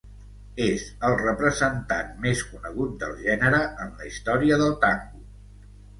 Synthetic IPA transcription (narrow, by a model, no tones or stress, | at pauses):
ezəlˠrəpɾəzənt̪anmeskunəɣ̞ut̪̚d̪ə̰lˠʒɛnəɾəʔənləist̪ɔɾiəðəlˠt̪aŋɡu